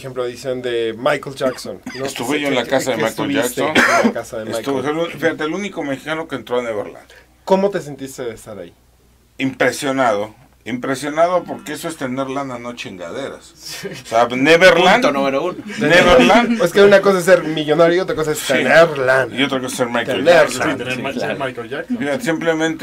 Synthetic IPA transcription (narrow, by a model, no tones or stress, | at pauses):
xemploaðisjond̪emajkelʝaksonnoest̪uβeʝoenlakaaðemajkolʝaksonelkasaðemeasjk̪t̪uolufixat̪eelunikomexi̥kanokeːnt̪ɾoaneβeɾla̰n | ko̞mo̞t̪e̞s̬ent̪ist̪eðest̪aɾa̰i | impɾesjo̞naðo | impɾesjo̞naðopo̞ɾkeesoest̪eneɾlananot͡ʃeŋɡa̰ðeɾa̰soseaneβeɾlanonoβenouneneβeɾlaneskeunakosaes̬eɾmiʝonaɾjoiot̪ɾakos̬aessieɾlanio̞t̪ɾakosaseɾmajk̪eɾaemajklaksfixat̪simplemẽnt̪e